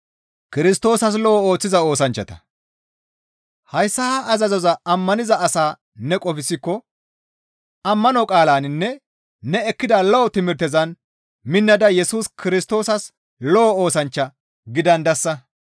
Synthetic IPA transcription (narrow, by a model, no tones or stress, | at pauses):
kɪɾɪst̪o̞ːsɐs̬lɔɔoːt͡sːɪzɐo̞ːsɐnt͡ʃːɐt̪ɐ̥ | hɐjsːɐhʔɐzɐzɔzɐɐmːɐnɪzɐʔɐsaː | nɛkʼɔfɪsɪkːɔ | ɐmːɐnɔkʼaːlaːnɪnːɛ | nɛɛkːɪd̪ɐlɔɔt̪ɪmɪɾt̪ɛzɐn | mɪnːɐd̪ɐjɛsuːskɪɾɪst̪o̞ːsɐs | lɔwo̞ːsɐnt͡ʃːɐ | ɡɪd̪ɐnd̪ɐsːɐ